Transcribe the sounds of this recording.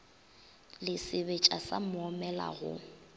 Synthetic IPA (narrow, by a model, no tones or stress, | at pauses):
lɪsɪbet͡ʃʼasamʊɔmɛla̰ɣʊ̰